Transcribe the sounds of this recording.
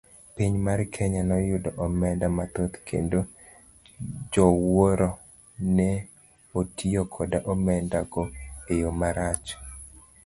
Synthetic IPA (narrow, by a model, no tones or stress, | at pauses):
piɲmarkʰɛɲanɔjʊdɔʔɔmɛndamat̪ot̪kʰḛndo | d͡ʒɔwoɾɔ | nɛ | otiokʰɔdaʔɔmɛndaɡoejomaɾat͡ʃ